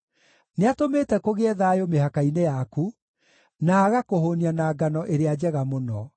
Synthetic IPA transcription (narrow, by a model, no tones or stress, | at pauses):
neatomeːtɛkoɣeɛðaːjomehakainejaku | naːɣakohonianaːɡanɔʔeɾead͡ʑɛɣamonɔ